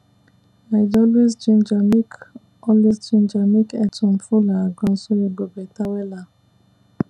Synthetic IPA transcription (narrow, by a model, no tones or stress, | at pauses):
aɪd͡ʒɔlis̬d͡ʒind͡ʒanik | ɔlisd͡ʒind͡ʒanikɛtʊm̩fulaɡɔ̃n̩soiɡ͡bobetawela